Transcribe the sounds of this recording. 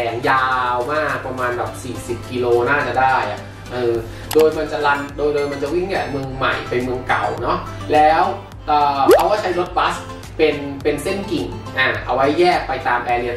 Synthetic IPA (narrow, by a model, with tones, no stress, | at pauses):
ɛː˨˧ŋjaː˧wmaː˥˩k̚pɾa˧maː˧nbaː˨˩p̚siː˨˩si˨˩p̚ki˧loː˧naː˥˩t͡ɕa˨˩daː˥˩jʔa̰˨˩ʔ | ʔɤː˧ | doː˧jma˧nt͡ɕa˨˩ʔla˧ndoː˧jdoː˧jma˧nt͡ɕa˨˩wi˥˩ŋa˨˧˩mɯ˧əŋma̰˨˩jpe˧nmɯ˧əŋka̰˨˩wnɔ˦˥lɛː˦˥w | ʔɤː˨˩kʰa˦˥wkaː˥˩t͡ɕʰa˦˥jɾo˦˥t̪̚pa˦˥s | pe˧npe˧nse˥˩nki˨˩ŋʔaː˧˩ʔa˧wa˦˥jːɛː˥˩k̚pa˧jt̪aː˧mʔɛː˧nːi˦˩ɐ